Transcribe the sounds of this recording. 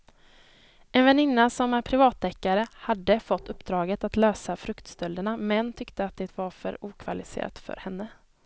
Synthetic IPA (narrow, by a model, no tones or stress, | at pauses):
ɛnvɛnɪnːasɔmæɾpʰɾɪvɑːt̪ːɛkːaɾəhad̪ːəfɔt̪ːɵpːd̪ɾɑːɡət̪at̪løːsafɾɵkt̪st̪œld̪əɳamɛnt̪ʰʏkt̪əat̪̚d̪ɛt̪vaɾfœ̰ɾuːkʰvalɪsḛːɾa̰t̪fœ̰ɾhɛnːə